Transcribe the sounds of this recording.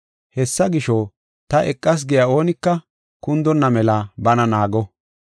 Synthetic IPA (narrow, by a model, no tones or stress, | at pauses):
hɛsːɐɡɪʃɔː | t̪ɐʔɛkʼːɐs̬ɡɪjao̞ːnɪkːɐ | kʊnd̪ɔnːɐmɛlabɐnɐnaːɡɔ